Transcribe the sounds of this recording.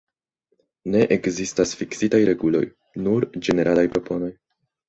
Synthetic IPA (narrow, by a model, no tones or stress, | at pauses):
ne̞ʔekzistasfiksitajɾe̞ɡulo̞̰j | nuɾd͡ʒe̞ne̞ɾalajpɾo̞po̞no̞j